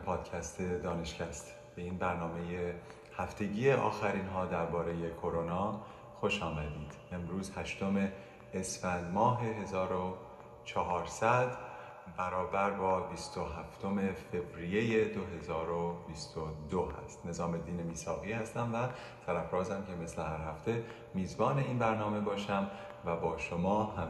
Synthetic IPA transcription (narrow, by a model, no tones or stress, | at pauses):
pʰɒːd̪̥cʰæst̪ʰe̞d̪ɒːne̞ʃcʰæst̪ | b̥e̞iːnbæɾnɒːme̞je | hæft̪e̞ɟiːeʔɒ̰ːxæɾiːnɦɒːd̪æɾbɒːɾe̞je̞kʰo̞ɾonɒː | xoʃɒːmæd̪iːd̪̥e̞mɾuːzhæʃt̪o̞me̞ː | sfænd̪mɒːɦe̞ɦe̞zɒːɾo | t͡ʃʰɒɦɒːɾsæd̪ | bæɾɒːbæɾbɒːbist̪o̞ɦæft̪ʰo̞me̞fe̞vɾije̞jed̪o̞ɦe̞zɒːɾo̞bist̪od̪oɦæ̰st̪ne̞zɒːme̞d̪iːnemiːsɒːɣiːhæst̪æmvæ | t̪ʰæɾæfɾɒːzæmce̞me̞slehæɾɦæft̪ʰe̞ | miːzbɒːne̞iːnbæɾnɒːme̞bɒːʃæm | væbɒːʃomɒːɦæm